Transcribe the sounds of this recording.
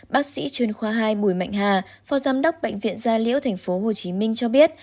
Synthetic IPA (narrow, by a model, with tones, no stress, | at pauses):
ɓaː˦˥k̚sḭ˧˥t͡ɕwi˨˩nxwaː˧ɦaː˧jɓu˧˩jma̰˧˨jŋ̟ɦaː˨˩ | fɔ˨˦zaː˨˧mɗə˦˥wk͡p̚ɓə̰˧˨ŋvḭ˧˨ənzaː˧lḭ˧˥əwt̪ʰɛ˨˩ŋ̟fo˨˦ɦo˨˩t͡ɕi˨˦mï˧ŋ̟t͡ɕɔ˧ɓi˦˥ət̚